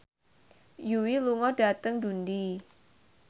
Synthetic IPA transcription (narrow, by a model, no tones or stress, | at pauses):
juwiluŋɔd̥at̪əŋdundi